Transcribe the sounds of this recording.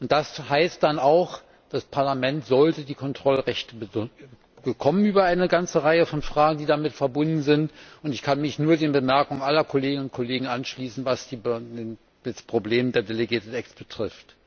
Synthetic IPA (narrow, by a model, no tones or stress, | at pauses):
ʔʊnt̚d̥ashaɪst̚d̥anaʊx | d̥aspʰaɐlamɛntz̥ɔltədiːkʰɔntʁ̥ɔlʁɛçtəb | ɡ̥əkʰɔmənyːbɐaɪnəɡant͡səʁaɪəfɔnfʁ̥aːɡŋ̩diːdamɪtfɛɐbʊndn̩zɪntʔʊntɪçkʰanmɪçnuːɐdeːnbəmɛɐkʊŋənʔalɐkʰoleːɡɪnənʊntkʰoleːɡŋ̩ʔanʃliːsn̩vasd̥ien | d̥ɛspʁ̥obleːmdeːɐdeleɡiːɐtn̩ɛksb̥ətʁ̥ɪft